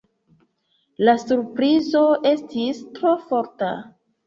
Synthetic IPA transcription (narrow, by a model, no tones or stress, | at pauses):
lasuɾpɾizo̞ʔe̞stistɾo̞fo̞ɾta̰